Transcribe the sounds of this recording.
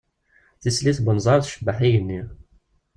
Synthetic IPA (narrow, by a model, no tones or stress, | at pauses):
θisliθbənzˤɑɾˤθʃəbːəħijənːi